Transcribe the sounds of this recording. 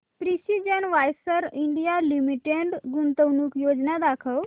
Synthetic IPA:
pɾisid͡ʒənʋajsəɾiɳɖijalimiʈeɳɖɡunt̪əwnukjod͡ʒnad̪akʰəw

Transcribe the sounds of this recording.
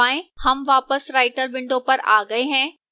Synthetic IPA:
aːẽːhɐmʋaːpəsɾaːɪʈəɾbɪ̃ɳɖõpɐɾa̰ːɡɐeɦɛ̃ː

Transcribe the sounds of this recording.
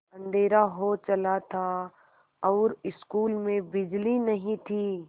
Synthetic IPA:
ɐ̃nd̪ʱeːɾaɦot͡ʃɐlat̪ʰa | ɔːɾɪskuːlmẽbɪd͡ʒlinɐɦĩt̪ʰiː

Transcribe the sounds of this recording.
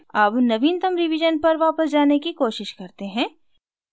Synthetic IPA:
aːpnɐʋiːnt̪ɐmɾɪʋɪd͡ʒənpɐɾʋaːpəsd͡ʒaːnekikoːʃɪʃkɐɾt̪eɦɛ̃ː

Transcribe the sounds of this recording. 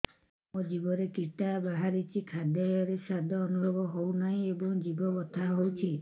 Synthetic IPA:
mod͡ʒibɔɾekiʈabaɦaɾit͡ʃʰikʰad̪ʱjɔjɔɾesad̪ʱɔːnubʱɔbɔɦownaĩebɔŋd͡ʒibɔɡɔt̪ʰaɦowt͡ʃʰi

